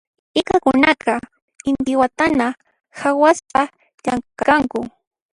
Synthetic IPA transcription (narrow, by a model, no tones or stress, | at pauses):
ɪkakʊnaqɑ | ɪnd̪ɪwat̪ana | xawaspa | ʎaŋkakaŋkʊ